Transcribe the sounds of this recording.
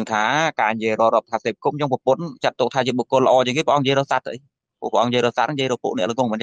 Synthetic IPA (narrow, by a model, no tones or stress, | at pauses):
əŋt̪ʰaːkaːnjiəjrɔːrɔəp̚t̪ʰaːseːp̚kum̚t͡ɕoŋpɔpʊnt͡ɕat̪ːʊk̚t̪ʰaːt͡ɕiəɓokːʊələ̆ʔɔːt͡ɕeəŋkeːpə̆ʔɑŋɲjiəjɾɔːsat̪ʰːʔəj | pṵəpə̆ʔɑŋjiəjɾɔːsat̪̚nɲjiəjɾɔːpuəʔnɛ̰̆əʔləŋʊəŋmənt͡ɕ